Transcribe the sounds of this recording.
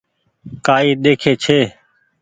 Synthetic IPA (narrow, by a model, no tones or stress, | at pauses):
kaːiːɗ̪eːkʰeːt͡ʃʰeː